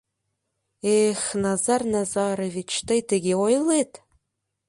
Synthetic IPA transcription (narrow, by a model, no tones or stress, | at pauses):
exnɑzɑrnɑzɑɾovʲit͡ɕt̪ɤ̆jt̪ɘ̆ɡʲeojlˠet̪